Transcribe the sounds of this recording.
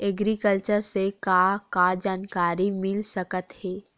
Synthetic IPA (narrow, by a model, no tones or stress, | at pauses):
ɛɡɾikəlt͡ʃəɾsekakad͡ʒaːnkaːɾimɪlsɐkət̪hɛː